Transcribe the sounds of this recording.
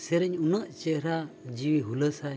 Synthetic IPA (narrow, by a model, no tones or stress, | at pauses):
sɛɾɛɲunəʔt͡ʃɛɾad͡ʒiwiɦuləsaj